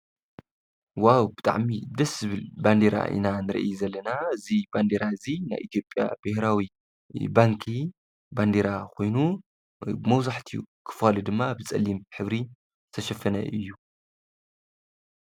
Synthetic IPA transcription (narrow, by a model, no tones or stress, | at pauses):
wawbɨt̪ʼa̰ʕmid̪ɐszɨβɨlband̪eɾa̰ʔḭnanɨɾɐ̰ʔjzɐlːɐnaɨziband̪eɾaɨzina̰jʔḭt̪ʰjo̞pʼja̰bɨhɾawi | baŋkʰi | band̪eɾakʰo̞jnu | bɨmɐwzaħt̪ʰijṵkʰɨ̥falud̪ɨmːabɨt͡sʼɐ̰lːimħɨβɾi | st̪ʰɐʃɐfɐnɐ̰ʔɨjːu